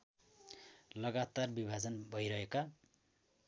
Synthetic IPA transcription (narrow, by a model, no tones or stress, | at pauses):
lʌɡat̪arbibʱad͡zʌnbʱʌjɾʌɦeka